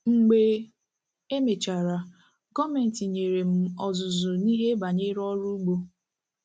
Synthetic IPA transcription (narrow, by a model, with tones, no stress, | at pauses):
ŋ͡m̩˨ɡ͡be˨ | e˦me˨t͡ʃa˨ɾa˨ | ɡɔ˦me˨n̩˨ti˨ɲe˨ɾe˨m̩˨ɔ˨zʊ˨zʊ˨ni˦ɦe˦ba˨ɲe˦ɾɔ˦ɾu˦ɡ͡bo˦